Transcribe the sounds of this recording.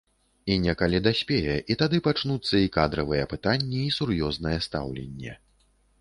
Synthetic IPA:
inʲɛkalʲid̪asʲpʲɛjɛʔit̪ad̪ɨpat͡ʂnut̪sːɐikad̪ɾɐvɨjɛpɨt̪anʲːɛisurjɔznɐjɛst̪a̰wlʲḛnʲːɛ̰

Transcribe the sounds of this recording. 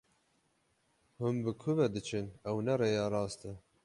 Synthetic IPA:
hʊmbɨkʰʊvɛd̪ɨt͡ʃʰɨnɛwnɛrejɑːɾɑːst̪ɨ

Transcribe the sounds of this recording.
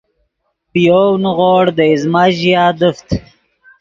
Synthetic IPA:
pijownɣoːɽd̪əizmaʑijaːd̪əft̪

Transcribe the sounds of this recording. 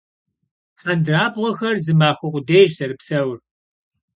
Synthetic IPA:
ħandraːbʁʷɔxɐrzɨmaːxʷʊqʷʼʊdeːjʒsɐɾɨpsɐwr

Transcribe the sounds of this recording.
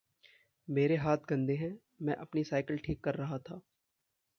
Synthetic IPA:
meːɾeɦaːt̪̚ʰɡɐ̃nd̪eɦɛ̃ː | mɛ̃ʔɐpnisaːɪkəlʈʰiːkːɐɾːɐɦat̪ʰaː

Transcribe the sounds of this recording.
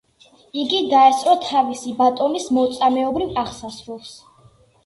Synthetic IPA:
iɡid̪aɛsʼɾɔt̪ʰavisibat̪ʼɔnismɔt̪sʼamɛɔbɾivaχsasɾulˠs

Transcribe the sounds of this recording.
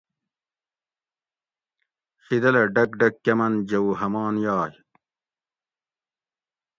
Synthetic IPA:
xid̪ɐlɐɖɐk̚ɖɐkːɐmɐnd͡ʑɐwuɦɐmaːnjaːj

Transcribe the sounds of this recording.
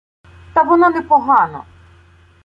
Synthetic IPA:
t̪ɐʋɔnanɛpɔɦɑnɐ̰

